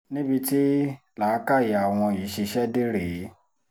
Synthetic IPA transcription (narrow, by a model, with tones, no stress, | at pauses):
nĩ˦bi˧ti˦ | laː˨˦ka˦˨ji˨a˨w̃ɔ̃˧i˨˦ʃe˧ʃɛ˦de˦ɾe˨˦